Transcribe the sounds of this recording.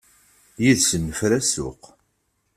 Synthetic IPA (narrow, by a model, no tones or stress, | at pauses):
jiðsənːəfɾæsʊ̰q